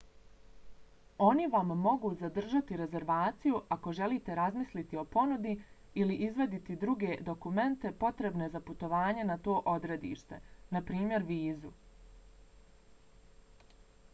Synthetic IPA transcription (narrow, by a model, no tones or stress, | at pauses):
o̞niʋamːo̞ɡuːzad̪r̩ʒat̪iɾe̞ze̞ɾʋaːt̪sijuʔako̞ʒe̞liːt̪e̞ɾazmislit̪io̞po̞nud̪i | iliʔizʋe̞d̪it̪id̪ɾuɡe̞d̪o̞kume̞nt̪e̞po̞t̪ɾe̞bne̞zaput̪o̞ʋaːɲe̞nat̪o̞ːʔo̞d̪ɾe̞d̪ḭːʃt̪e̞napɾiːmje̞ɾʋiːzu